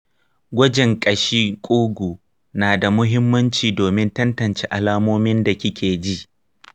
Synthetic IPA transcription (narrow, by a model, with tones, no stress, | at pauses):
ɡʷɐ˦d͡ʒɪ˨ŋkʼɐ˨ʃiː˦kʷʼuː˦ɡʷuː˨ | naː˨da˨mʊ˦ɦɪ˦mːɐ˦nt͡ʃiː˨doː˨mɪ˦ntɐ˦ntɐ˨nt͡ʃeː˦ʔa˨laː˦moː˦mɪ˦nda˨kʲɪ˦kʲʰeː˨d͡ʒi˦ʔ